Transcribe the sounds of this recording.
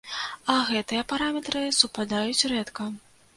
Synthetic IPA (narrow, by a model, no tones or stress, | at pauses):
ɐɣɛt̪ɨjɐpaɾamʲɛt̪ɾɨsupad̪ajut͡sʲrɛt̪kɐ